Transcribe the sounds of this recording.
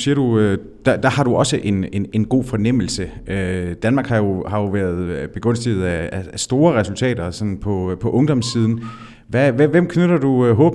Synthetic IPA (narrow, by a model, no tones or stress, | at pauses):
siɐɾ̥uø | d̥æd̥ɑ̈hɑ̈ɾ̥uʔɒ̽səʔe̝nene̝nɡ̥o̝̰ːfɒ̽nem̰l̩səød̥ænmɑ̈ːɡ̥hɑ̈jo̝hɑ̈jo̝ʋæːɐð̞ˠb̥e̝ɡ̥ɔ̽n̰sd̥əð̩ˠæææsd̥o̝ːɐʁɛsult͡sʰɛ̰ːdɐsɒ̽nnpʰɒ̽pʰɒ̽ʔɔ̽ŋd̥ɒ̽mssːiːð̞ˠn̩ | ʋæʋeʋem̰kʰnøɾɐd̥uøɦɔ̽ːb̥